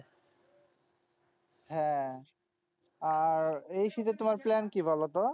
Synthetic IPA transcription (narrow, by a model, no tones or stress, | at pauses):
ɦɛ̃ | aɾejʃit̪et̪omaɾplɛnkibʱɔlot̪o